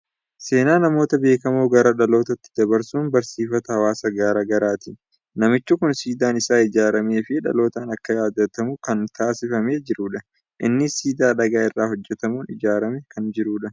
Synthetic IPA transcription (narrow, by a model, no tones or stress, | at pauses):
se̞ːnaːnɐmo̞ːt̪ɐbe̞ːkɐmoːɡɐɾɐᶑɐlo̞ːt̪ɐt̪ːɪ̥d̪ɐbɐɾsuːnbɐɾsiːfɐt̪ɐhɐwaːsɐɡaːɾɐɡɐɾaːt̪ɪ | nɐmɪt͡ʃːʊkʊnsiːd̪aːnɪsaːɪd͡ʒaːɾɐme̞ːfɪᶑɐ̰lo̞ːt̪aːnɐkːɐjaːd̪ːɐt̪ɐmʊkɐnt̪aːsɪfɐme̞ːd͡ʒɪɾuːᶑɐ | ʔɪ̰nːɪsiːd̪aːᶑɐɡaːɪrːaːhɔd͡ʒːɛt̪ɐmuːnɪd͡ʒaːɾɐmɛkɐnd͡ʒɪɾuːᶑɐ